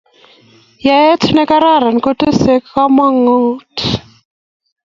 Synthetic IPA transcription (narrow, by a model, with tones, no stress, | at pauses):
ja˦ɛ˦tʰu˦nɛ˦ka˦ɾa˦˨ɾa˨n˨ko˦ti˦sɛ˦kka˦ma˦ŋo˦tʰi̥